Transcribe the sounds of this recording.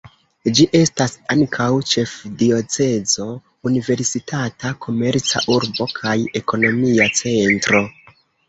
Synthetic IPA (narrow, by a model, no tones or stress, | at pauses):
d͡ʒiʔe̞stasaŋkʰawt͡ʃe̞fdio̞t͡se̞zo̞ | unive̞ɾsitatakʰo̞me̞ɾt͡sa̰ʔuɾbo̞kʰaje̞ko̞no̞miat͡se̞ntɾo̞